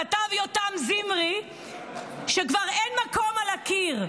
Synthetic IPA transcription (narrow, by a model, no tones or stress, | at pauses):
atavjotamzimʁi | ʃekvaʁenmakomalakiʁ